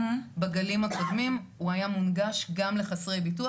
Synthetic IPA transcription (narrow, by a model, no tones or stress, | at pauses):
baɡalimakʰo̞d̪mimuajamunɡaʃɡamle̞χasʁejbitu